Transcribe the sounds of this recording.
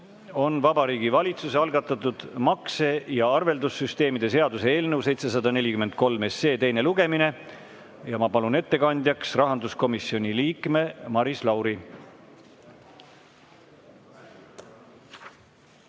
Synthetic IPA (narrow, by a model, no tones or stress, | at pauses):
o̞nvɑbɑɾiːɡ̥ivɑlʲit̪suseɑlɡɑt̪ːˑɑt̪ːˑud̪̥mɑkse̞jɑɑrve̞ld̪usːyst̪e̞ːmid̪e̞s̬e̞ɑd̪usee̞ːlnɤwse̞jt̪se̞s̬ɑd̪ɑne̞lʲikyme̞nd̪̚ko̞lme̞sːe̞ːt̪e̞jne̞luɡ̥e̞mine̞ | jɑmɑpɑlune̞t̪ːe̞kɑnʲd̪̥ʲjɑksrɑɦɑnd̪usko̞misio̞nʲiliːkˑme̞mɑɾislɑwɾi